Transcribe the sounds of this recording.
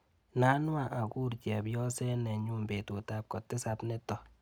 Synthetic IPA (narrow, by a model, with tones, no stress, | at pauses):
na˦nwa˨ʔa˨ku˦ɾt͡ʃɛ˨bjɔ˦sɛ˦nɛ˨ɲu˦mbe˨to˨ta˦p̚kɔ˨tːɪ˦sa˦bnɛ˦tɔ˨